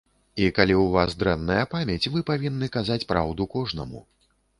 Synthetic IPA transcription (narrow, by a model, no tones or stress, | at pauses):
ikalʲiwvasd̪ɾɛnːɐjɐpamʲɛt͡sʲvɨpavʲinːɨkazat͡sʲpɾa̰wd̪ukɔʐnɐ̰mṵ